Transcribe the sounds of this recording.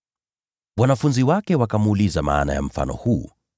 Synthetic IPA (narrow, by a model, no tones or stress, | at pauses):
wanafunziwakɛwakamːlizama̰ːna̰ja̰m̩fa̰nɔ̰huː